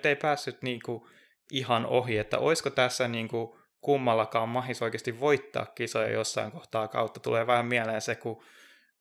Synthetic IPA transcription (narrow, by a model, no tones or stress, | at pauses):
t̪ːeipæːsːyt̪niːŋku | ʔihɑnoɦiet̪ːæ̰ʔo̰iskot̪æsːæniːŋku | kumːɑlːɑkɑːmmɑhisoikeɑst̪iʋʋoit̪ːɑ̰ːkkisojɑ̰josːɑiŋkoht̪ɑːkɑ̰ut̪ːɑt̪ṵleːʋɑːmmiæleːnseku